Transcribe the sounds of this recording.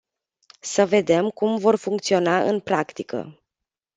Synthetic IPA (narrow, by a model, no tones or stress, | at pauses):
səve̞d̪e̞mkumvo̞rfuŋkt̪sio̞naʔɨ̰npɾakt̪ikə̰